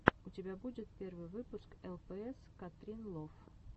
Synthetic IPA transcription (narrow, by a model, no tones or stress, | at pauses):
ʊtʲɪbʲabudʲɪt̪̚pʲervɨjvɨpʊskɛlˠpɛɛskɐt̪ɾʲinlˠof